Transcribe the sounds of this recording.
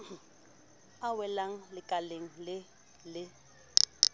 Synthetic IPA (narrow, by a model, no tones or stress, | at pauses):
awɛlaŋ̩lɪkʼaleŋ̩lɪ | lɪ